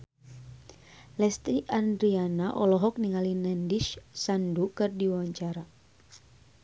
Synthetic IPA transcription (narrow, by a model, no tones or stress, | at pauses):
lɛst̪ɾiʔandɾianaʔɔlɔɦɔk̚niŋalinɛndiʃsandukɨrdiwwaɲt͡ʃaɾa